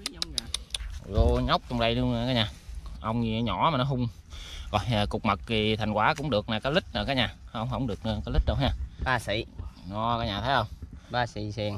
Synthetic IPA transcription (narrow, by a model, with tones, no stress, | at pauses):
zo˧ɲa˦˥wk͡p̚t͡ɕɔ˧ŋ͡mɗə˧jlɨ˧əŋː˨˩kaː˦jɲaː˨˩ʔə˧wŋ͡mɲi˧˨˦ɲɔ̰˧˩˨maː˨˩nɔ˨˦ɦʊ˧ŋ͡m | ɣɔ̰˨˩jaː˨˩kʊ˨˩k͡p̚mə˨˩k̚ti˨˩t̪ʰa˨˩ŋkwaː˨˦kʊ̰˧˥ŋ͡mɗɨ˨˩ək̚naː˨˩kaː˨˦jlï˦˥k̟̚ʔəː˨˧˩kaː˨˦jɲaː˨˩hə˧wŋ͡mɦə˧˩wŋ͡mɗɨ˨˩ək̚ːkaː˨˦li˦˥ɗə˧wɲaː˧˩ɓaː˧sḭ˧˨nɔ˧kaː˨˦jɲaː˨˩t̪ʰə˨˦jhə˧wŋ͡mɓaː˧sḭ˧˨sɛ˧ŋ